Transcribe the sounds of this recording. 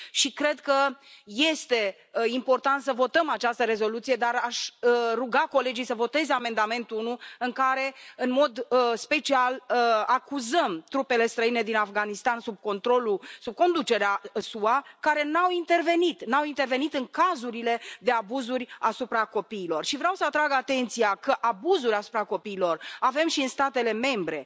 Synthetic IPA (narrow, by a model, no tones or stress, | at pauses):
ʃikɾe̞d̪kəje̞st̪e̞ | impo̞rt̪ant̪səvo̞t̪əmat͡ʃast̪əɾe̞zo̞lut̪sije̞d̪aɾaʃruɡako̞le̞d͡ʒijsəvo̞t̪e̞zame̞nd̪ame̞nt̪uunuɨŋkaɾe̞ɨnmo̞d̪spe̞t͡ʃialəakuzəmt̪ɾupe̞le̞st̪ɾəine̞d̪inafɡanist̪ansub̚ko̞nt̪ɾo̞lusub̚ko̞nd̪ut͡ʃe̞ɾeasuakaɾe̞nawint̪e̞rve̞nit̪nawint̪e̞rve̞nit̪ɨŋkazuɾile̞d̪e̞abuzurʲasupɾako̞piːlo̞rʃivɾʲawsəat̪ɾaɡat̪e̞nt̪sijakəʔabuzuɾʲasu̥pɾako̞piːlo̞rave̞mʃiɨnst̪at̪e̞le̞me̞mbɾe̞